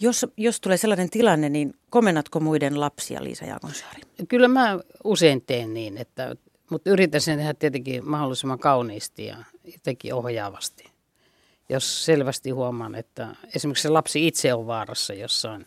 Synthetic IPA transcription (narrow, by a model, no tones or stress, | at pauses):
josjost̪uleːselːɑnent̪ilɑnːeninkomenːɑt̪komuidenlɑpsḭɑ̰lḭːsɑ̰jɑ̰ːkonsɑ̥ːrikylːæmæuseint̪eːnniːnet̪ːæ̰ | mut̪yrit̪ːæsent̪ehæt̪t̪iet̪eŋkḭmɑholːisimːɑŋkɑuniːst̪ijɑ̰jot̪ekḭohjɑːʋɑst̪i̥ | josselʋæst̪ihuomˑɑnḛt̪ːæesimekselɑpsiit̪seoʋʋɑːrɑsːɑjosːɑin